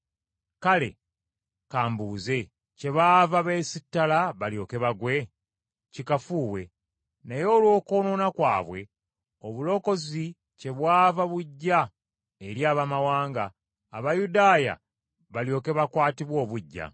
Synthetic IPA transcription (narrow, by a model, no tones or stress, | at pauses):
kale̞̰ | kaːmbuːze̞ | ce̞βaːvaβe̞sitːalaβaljo̞ke̞βaɡwe̞ | cikafuːwe̞̰ | najo̞ːlwo̞ːko̞ːnonakwa̰ːβwe̞̰ | oβulo̞ko̞zi | ce̞βwaːvaβuɟːa | eɾjaːβamawaːŋɡaː | βajudaːja̰ | βaljo̞ke̞βakwaːtiβwo̞ːβuɟːa̰